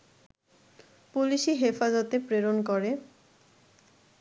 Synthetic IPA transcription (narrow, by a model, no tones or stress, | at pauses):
puliʃiɦefazot̪epɾeɾonkoɾe